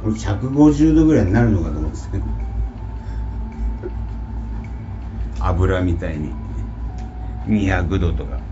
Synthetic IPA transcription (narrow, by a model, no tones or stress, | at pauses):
koɾeçʲakɯ̟ɡo̞ʑɨːd̪o̞ɡɯ̟ɾaiɲʲinaɾɯ̟no̞kat̪oːmod̪e̥sked̪o | a̰bɯ̟ɾamʲit̪aiɲ̟i | ɲ̟ʲiçakɯ̟d̪ot̪oka̰